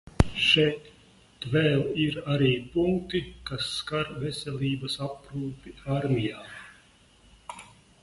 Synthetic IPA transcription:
ʃɛjt̪ | vɛːlˠiɾaɾiːpuŋk̚t̪ikasːkaɾvɛsʲelʲiːbɐsapɾuːpiaɾmʲijaː

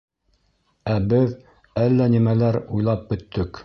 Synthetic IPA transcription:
æbɘð | ælːænimælæɾujlˠɑp̚bɵ̆t̪ːɵk

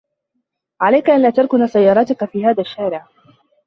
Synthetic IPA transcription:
ʕalajkaʔanlaːt̪ɑɾˤkʊnaːsajːɑːɾˤɑːt̪ʊkafiːhaːðaʃːaːɾɪʕ

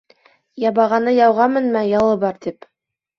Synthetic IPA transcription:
jɑβɑʁɑnɤjɑwʁɑmɘnmæjɑlˠɤbɑɾt̪ip

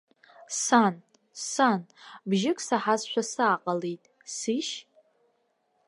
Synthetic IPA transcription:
san | sanbʒɪkʷʼsaħazʃʷᶣasaːqʼalejtʼ | siʃ

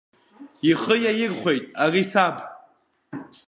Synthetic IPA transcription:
iχəjajɪrχʷe̞jtʼarisabʰ

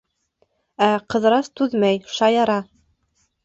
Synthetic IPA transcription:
æqɤ̆ðɾɑst̪ʉðmæjʃɑjɑɾɑ

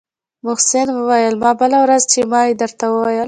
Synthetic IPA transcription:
mʊhsɪnwəwajəlmɑbəlawɾazt͡ʃemɑjed̪əɾt̪awəwajəl

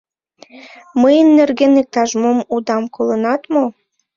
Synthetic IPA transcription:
məjənːerɣenek̚t̪ɑʒmomud̪ɑmkʰolənɑt̪mo

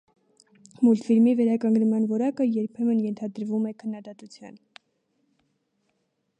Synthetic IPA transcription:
mult̪fiɾmivɛɾɑkɑŋɡnmɑnvɔɾɑkəjɛɾpʰɛmənjɛnt̪ʰɑd̪əɾvumɛkʰənːɑd̪ɑt̪ut͡sʰjɑ̰n

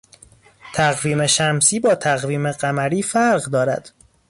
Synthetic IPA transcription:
t̪ʰæɣviːmeʃæmsiːbɒːt̪ʰæɣviːme̞ɢæmæɾiːfæɾɢd̪ɒːɾæ̰d̪̥

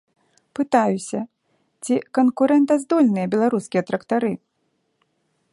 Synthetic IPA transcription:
pɨt̪ajusʲɐ | t͡sʲikɐnkuɾɛnt̪̬ɐzd̪ɔlʲnɨjɐbʲɛlˠaɾuskʲijɐt̪ɾɐkt̪aɾɨ

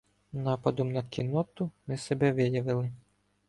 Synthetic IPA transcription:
nɑpɐd̪ɔmnɐkʲinɔt̪ʊmɪsɛbɛʋɪjɐʋɪlˠɪ

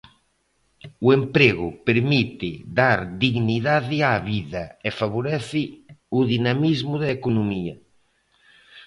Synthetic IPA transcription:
uempɾeɣʊpeɾmit̪ɪ̰d̪aɾd̪iɣniðaðɪaβiðɐefaβ̞oɾɛθɪuðinamizmʊðaekonomiɐ̰

